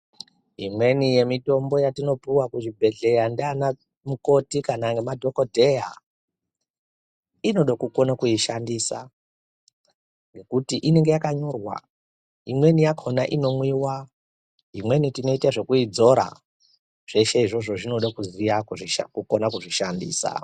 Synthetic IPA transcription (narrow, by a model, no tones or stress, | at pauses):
ɦimwe̞nije̞mito̞mbo̞jatino̞puwakuʐibʱe̞ɮe̞jandana | muko̞tikanaŋɡemadʱo̞kodʱe̞ja | ino̞ɗakuko̞nakuiʃandisa̰ | ŋɡe̞kutiʔine̞ŋɡe̞jakaɲo̞rwa̰ | imwe̞nijakʰonaʔino̞mwiwa | ɦimwe̞nitino̞itaʐe̞kuid͡zo̞ɾa̰ | ʐ̥e̞ʃe̞iʐo̞ʐo̞ʐino̞ɗakuzijaʐkukonakuʐiʃandḭːsa̰